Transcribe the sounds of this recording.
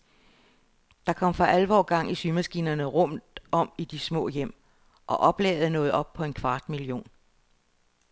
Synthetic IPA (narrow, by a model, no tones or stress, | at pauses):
d̥ɑ̈kʰɒ̽m̰fɑ̈ʔælʋɒ̰ːɡ̥ɑ̈ŋ̰isymæsɡ̥ḭːnɐnəʁɔ̽m̰ɒ̽m̰id̥ismɔ̰̽ːjem̰ | ʔɒ̽ʔɒ̽b̥lɛ̰ːʊð̞̩ˠnɔ̽ːð̩ˠɒ̽b̥̚pʰɒ̽e̝nkʰʋɑ̈ːd̥milijo̝̰ːn